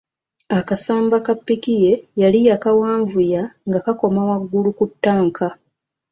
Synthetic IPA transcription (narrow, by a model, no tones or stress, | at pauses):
akasaːmbakapːikije̞jalijakawaːɱvujaŋɡakako̞mawaɡːulukutːaːŋkʰa